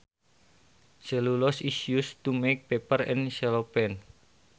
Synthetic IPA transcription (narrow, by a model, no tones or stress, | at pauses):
səlulɔsisiust̪umek̚pepərɛ̰nʃɛlopɛn